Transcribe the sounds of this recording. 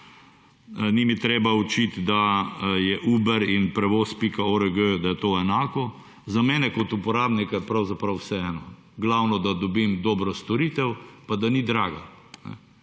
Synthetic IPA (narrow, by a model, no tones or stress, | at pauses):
nimit̪ɾeːbaut͡ʃit̪d̪ajɛʔuːbɛɾinpɾɛʋoːspikaoɾəɡød̪ajɛt̪oːɛnaːkɔ | zamɛːnɛkɔt̪upɔɾaːbnikajɛpɾawzapɾɐwsɛɛːnɔ | ɡlawnɔd̪ad̪ɔbimd̪ɔːbɾɔst̪ɔɾit̪ɛwpad̪anid̪ɾaːɡanɛ̰